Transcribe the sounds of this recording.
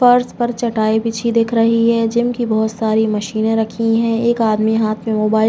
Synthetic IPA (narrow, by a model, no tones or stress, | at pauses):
fɐɾspɐɾt͡ʃɐʈaːipiːt͡ʃʰid̪eːkʰɾɐɦiɦɛːd͡ʒɪmkibɔɦʊt̪saːɾimɐʃiːnẽɾɐkʰiɦɛ̃ːeːkaːd̪miɦaːt̪ʰmẽmoːbaːɪ